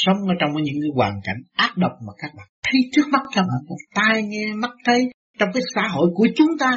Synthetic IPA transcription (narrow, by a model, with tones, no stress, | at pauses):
sə˨˦wŋ͡mʔəː˨˦t͡ɕɔ˧wŋ͡məː˨˦jɲɨ̰˧˥ŋkɨː˨˦jwaː˨˩nka̰˧˩jŋ̟ʔaː˦˥t̚ɗə˨˩wk͡p̚maː˨˩kaː˦˥k̚ɓa̰ː˧˨nt̪ʰi˨˦t͡ɕɨ˦˥ək̚ma˦˥t̚kaː˦˥k̚ɓa̰ː˧˨nmo˨˩t̪aː˧jŋɛ˧ma˦˥t̚t̪ʰə˨˦j | t͡ɕɔ˧wŋ͡mkaː˨˦jsa̰ː˧˥ɦo̰˧˨jku˧˩ət͡ɕʊ˨˦ŋ͡mt̪aː˧